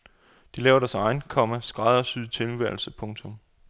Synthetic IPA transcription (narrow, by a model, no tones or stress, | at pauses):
d̥ilɛːʊɐɾæɐsɑ̈ɪnkʰɒ̽mæsɡ̥ʁɑ̈ðˠɐsyðˠt͡sʰe̝lʋæɐlsəpʰɔ̽ŋt͡sʰɔ̽m